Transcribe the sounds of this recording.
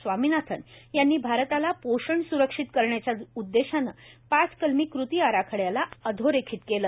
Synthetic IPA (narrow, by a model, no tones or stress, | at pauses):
sʋaminat̪ʰənjanːiːbʱaɾt̪alapoɕəɳsuɾəkʂit̪kəɾɳjat͡ɕjaud̪ːeɕanəːpat͡skəlmiːkɾut̪iːaɾakʰəɽjalaəd̪ʱoɾekʰiːt̪keləː